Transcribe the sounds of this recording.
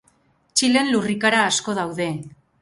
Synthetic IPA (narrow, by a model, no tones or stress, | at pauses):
t͡ʃile̞nlurikaɾaːsko̞ð̞awðe̞